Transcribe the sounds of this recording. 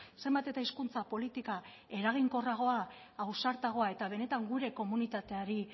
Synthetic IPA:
se̞mbat̪e̞t̪aiskunt͡sapo̞lit̪ika | e̞ɾaɣ̞iŋko̞raɣ̞o̞aː | wsaɾt̪aɣ̞o̞ae̞t̪aβ̞e̞ne̞t̪aŋɡuɾe̞ko̞munit̪at̪e̞aɾi

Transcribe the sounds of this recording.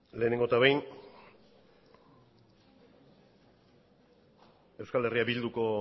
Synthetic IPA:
le̞ːne̞ŋɡo̞t̪aβejn | e̞wskale̞riabild̪uko̞

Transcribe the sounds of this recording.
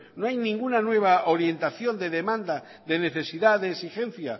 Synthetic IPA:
no̞ajnĩŋɡunanwe̞β̞aoɾje̞nt̪aθjo̞nd̪e̞ðe̞mãnd̪a | ðe̞ne̞θe̞siðaðeːsixe̞n̟θja

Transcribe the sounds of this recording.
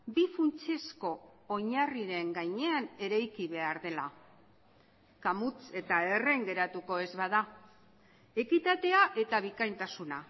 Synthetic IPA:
bifunt͡se̞sko̞ːɲariɾe̞ŋɡajɲe̞ane̞ɾajkiβe̞aɾðe̞la | kamut͡se̞t̪ae̞re̞ŋɡe̞ɾat̪uko̞e̞zβaða | e̞kit̪at̪e̞aʔe̞t̪aβ̞ikajnt̪asuna

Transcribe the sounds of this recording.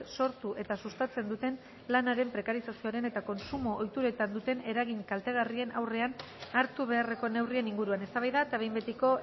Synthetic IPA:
so̞ɾt̪uʔe̞t̪asust̪at͡se̞nd̪ut̪e̞n | lanaɾe̞mpɾe̞kaɾisasio̞aɾe̞ne̞t̪ako̞nsumo̞ʔːjt̪uɾe̞t̪and̪ut̪e̞ne̞ɾaɣiɲkalt̪e̞ɣ̞arie̞na̰wre̞an | aɾt̪uβ̞e̞are̞ko̞ne̞wrie̞niŋɡuɾuane̞st̪aβajðat̪aβe̞jmbe̞t̪iko̞

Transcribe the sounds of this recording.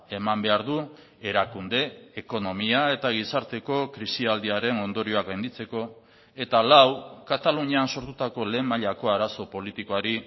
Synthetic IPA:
e̞mambe̞aɾðu | e̞ɾakund̪e̞ːko̞no̞miae̞t̪aɣ̞isaɾt̪e̞ko̞kɾisiald̪iaɾe̞no̞nd̪o̞ɾio̞akɡajnd̪it͡se̞ko̞ | e̞t̪alawkat̪aluɲeanso̞ɾt̪ut̪ako̞le̞ːmaʎako̞aɾaso̞po̞lit̪iko̞aɾi

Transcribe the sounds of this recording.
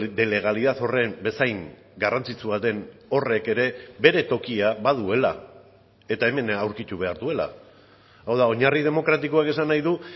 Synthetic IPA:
d̪e̞le̞ɣ̞aliðat̪o̞re̞mbe̞sajŋ | ɡarant͡sit͡suβat̪e̞no̞re̞ke̞ɾe̞be̞ɾe̞t̪o̞kiaβaðue̞la | e̞t̪ae̞me̞nawɾkit̪uβe̞aɾðue̞la̰ | awðao̞ɲarið̞e̞mo̞kɾat̪ikoake̞sanːajðu

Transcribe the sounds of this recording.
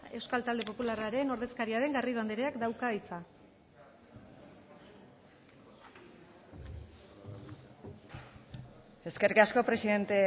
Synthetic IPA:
e̞wskalt̪ald̪e̞po̞pularaɾeno̞ɾðe̞skaɾiaɾe̞ŋɡariβand̪eɾeakd̪awkaβajt͡sa | e̞skeɾikasko̞pɾe̞siðe̞nt̪e

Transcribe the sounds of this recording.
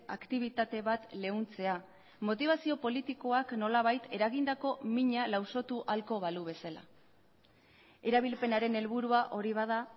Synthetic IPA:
a̰kt̪iβ̞it̪at̪e̞βat̪le̞unt͡se̞a | mo̞t̪iβ̞asio̞po̞lit̪iko̞akno̞laβ̞ajt̪ʰe̞ɾaɣind̪ako̞miɲalawso̞t̪uʔalko̞βaluβ̞e̞sala̰ | e̞ɾaβ̞ilpe̞naɾe̞ne̞lβuɾuaʔo̞ɾiβ̞að̞a

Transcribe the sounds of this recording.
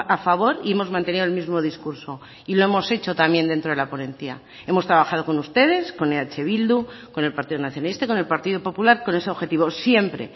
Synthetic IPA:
afaβ̞o̞ɾie̞mo̞zmãnt̪e̞niðoe̞lmizmo̞ð̞iskuɾso̞ | ilo̞e̞mo̞se̞t͡ʃo̞t̪amje̞nd̪e̞nt̪ɾoðelaponẽ̞nθja̰ | e̞mo̞st̪ɾaβaxað̞o̞ko̞nust̪e̞ðe̞sko̞neat͡ʃe̞β̞ild̪uko̞ne̞lpaɾt̪iðonaθjonalist̪aikone̞lpaɾt̪iðopo̞pulaɾko̞ne̞se̞o̞βxe̞t̪iβo̞sje̞mpɾe̞̰

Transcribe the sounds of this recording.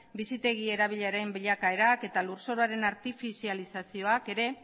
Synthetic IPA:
bisit̪e̞ɣie̞ɾaβ̞iʎaɾejmbiʎakae̞ɾake̞t̪aluɾso̞ɾoaɾe̞naɾt̪ifisialisasio̞ake̞ɾe̞

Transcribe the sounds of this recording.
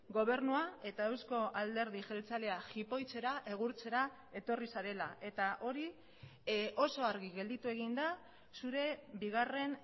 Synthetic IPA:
ɡo̞β̞e̞ɾnuae̞t̪aewsko̞ald̪e̞ɾð̞iʝe̞lt͡saleaxipo̞jt͡se̞ɾaʔe̞ɣ̞uɾt͡se̞ɾa | e̞t̪o̞risaɾe̞laʔe̞t̪aʔo̞ɾi | ʔo̞so̞aɾɣiɣe̞ld̪it̪ue̞ɣ̞ind̪a | suɾe̞biɣare̞n

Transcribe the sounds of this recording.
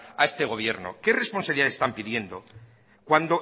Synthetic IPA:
a̰est̪e̞ɣ̞o̞β̞je̞ɾno̰ke̞re̞spo̞nsaβliðaest̪ampiðje̞nd̪o̞ | kwand̪o̞

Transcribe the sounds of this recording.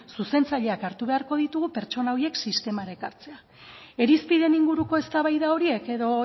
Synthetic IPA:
suse̞nt͡saʎe̞akaɾt̪uβ̞e̞aɾko̞ðit̪uɣupe̞ɾt͡ʃo̞naoɾie̞ksist̪e̞maɾe̞kaɾt͡se̞a | e̞ɾispiðe̞niŋɡuɾuko̞e̞st̪aβajðao̞ɾie̞ke̞ðo̞

